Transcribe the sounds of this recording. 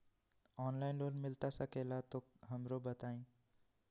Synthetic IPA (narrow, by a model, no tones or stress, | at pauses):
ɔːnlaːɪnloːnmɪlt̪asɐkeːlat̪oɦɐmɾobət̪aːĩː